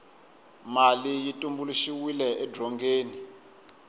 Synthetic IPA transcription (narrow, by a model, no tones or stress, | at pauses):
malijitʼumbuluʃiwilɛʔɛdrɔŋɡeːni